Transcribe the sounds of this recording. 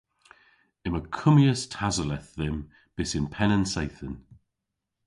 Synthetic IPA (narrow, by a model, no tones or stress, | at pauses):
ɪməkʰʊmjəstʰazəlɛθðɪm | b̥ɪsɪnpʰɛnənsejθən